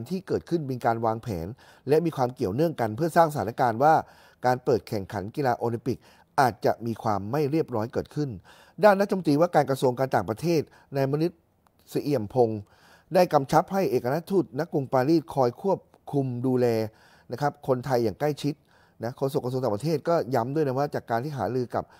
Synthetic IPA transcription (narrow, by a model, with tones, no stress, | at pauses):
nt̪ʰiː˥˩kɤː˨˩t̪̚kʰɯ˥˩nmiː˧kaː˧nwaː˧ŋpʰɛ̰ː˩˦n | lɛ˦˥miː˧kʰwaː˧mki˨˩əwnɯ˥˩əŋka˧npʰɯ˥˩ɐsaː˥˩ŋsa˧aː˨˦n˦a˦˥kaː˧nwaː˥˩ | kaː˧npɤː˨˩t̪̚kʰɛ˨˩ŋkʰa˩˦nki˧laː˧ʔoː˧li˧mpi˨˩k̚ | ʔaː˨˩t̪̚t͡ɕa˨˩ʔmiː˧kʰwaː˧mːa˥˩jɾi˥˩əp̚ɾɔː˦˥jkɤː˨˩t̪̚kʰɯ˥˩n | daː˥˩nːa˥t̪ʰa˧m˧t̪iː˧waː˥˩kaː˧nkɾa˧su˧əŋkaː˧nt̪aː˨˩ŋpɾa˧t̪ʰeː˥˩t̪̚ | na˧jma˧nu˦˥t̪̚ | si˧ʔi˨˩əmpʰo˧ŋ | daː˥˩jka˧mt͡ɕʰa˦˥p̚ha˥˩jʔeː˨˩ka˧ɾa˦˥t̪ʰuː˥˩t̪̚na˦˥kːu˧ŋpaː˧ɾiː˥˩t̪̚kʰɔː˧jkʰu˥˩əp̚kʰu˧mduː˧lɛː˧ | na˦˥kʰa˦˥p̚kʰo˧nt̪ʰa˧jːaː˨˩ŋkla˥˩jt͡ɕʰi˦˥t̪̚ | na˦˥kʰoː˥˩so˨˩kːa˧su˧ŋaː˨˩pa˧t̪ʰeː˥˩t̪̚kɔː˥˩ja˦˥mdu˥˩jna˦˥waː˥˩t͡ɕaː˨˩kːaː˧nt̪ʰiː˥˩ɦaː˩˦ɾɯː˧ka̰˨˩p̚